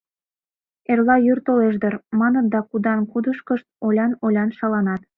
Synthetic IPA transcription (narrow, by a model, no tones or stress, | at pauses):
erlɑjyrt̪oleʒd̪ərmɑnənd̪ɑkud̪ɑnkud̪əʃkəʃt̪̚olʲɑnolʲɑnʃɑlɑnɑt̪